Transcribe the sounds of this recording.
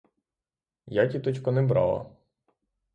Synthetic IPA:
jatʲit̪ɔt͡ʃkɔnɛbɾɑ̰lˠɐ̰

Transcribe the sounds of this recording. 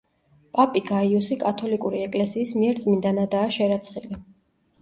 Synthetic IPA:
pʼapʼiɡaiusikʼat̪ʰɔlikʼuɾiɛkʼlɛsiːsmiɛɾd̪zʼmind̪anad̪aːʃɛɾat̪sʰχili

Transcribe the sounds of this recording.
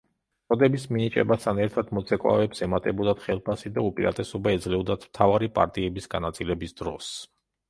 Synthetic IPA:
t̪sʼɔd̪ɛbisminit͡ʃʼɛ̰bast̪ʰanɛɾt̪ʰad̪mɔt̪sʰɛkʼwa̰vɛpsɛmat̪ʼɛbɔd̪at̪χɛlˠpʰasid̪aupʼiɾa̰t̪ʼɛsɔbaɛd̪zlɛvɔd̪at̪ʰm̥t̪ʰavaɾipʼa̰ɾt̪ʼiɛbisɡa̰nat̪sʼilɛbisd̪̥ɾɔs

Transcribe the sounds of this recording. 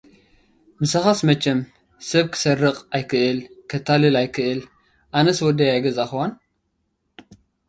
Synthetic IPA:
mɨsaxasmɐt͡ʃːɛm | sɐβkʰɨ̥sɐrːɨqʼajkʰɨʔɨlkʰɐt̪ʰːalɨlajkʰɨʔɨl | ʔanɐswɔd̪ɐjajɡɐzaxɨwan

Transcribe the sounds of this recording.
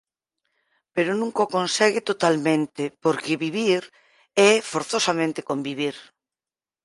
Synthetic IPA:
peɾonũŋkokõnsɛɣɪt̪ot̪almẽnt̪epoɾkeβiβiɾ | ɛfoɾθosamẽnt̪ekombiβ̞iɾ

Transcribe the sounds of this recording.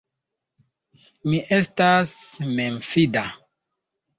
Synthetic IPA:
miʔestasmemfida

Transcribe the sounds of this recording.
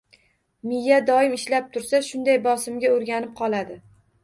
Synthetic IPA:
mɪjːad̪ɒɪmɪʃlap̚t̪ʰʊɾsaʃʊnd̪ajbɒsɪmɡʲaoɾɡʲanɪp̚qʰɒlˠad̪ɪ

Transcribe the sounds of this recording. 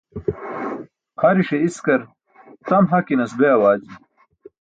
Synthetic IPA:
χʰɐɾiʂeiskɐɾ | t̪ɐmɦɐkinɐsbeɐwaːd͡ʑi

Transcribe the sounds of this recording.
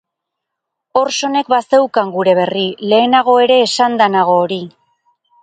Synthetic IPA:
o̞ɾso̞ne̞kbase̞wkaŋɡuɾe̞βe̞rile̞ːnaɣ̞o̞e̞ɾe̞ːsand̪anaɣ̞o̞ːɾi

